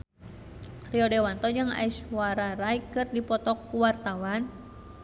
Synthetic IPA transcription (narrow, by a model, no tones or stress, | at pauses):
riɔdɛwant̪ɔd͡ʒɨŋa̰iswaɾaɾajkɨrdipɔt̪ɔkːuwart̪awan